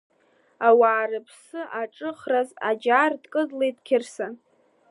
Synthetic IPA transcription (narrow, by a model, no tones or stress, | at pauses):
awaːɾɨpʰsɨʔaʈ͡ʂʼɨχraza̰d͡ʒardkʼɨdlejdkʲʰɪrsa